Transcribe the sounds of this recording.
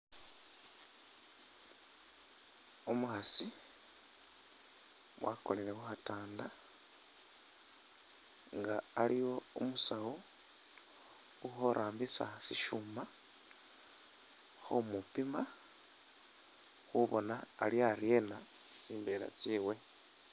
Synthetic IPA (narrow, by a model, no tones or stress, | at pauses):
omuxasi | wako̞̰leɾexuxataːnda | ŋɡaːlʔijo̞umusawo | uxoɾʔaːmbisa̰siʃuma | xomupima | xuβo̞naːljaɾje̞nat͡siːmbe̞la̰t͡siːwe̞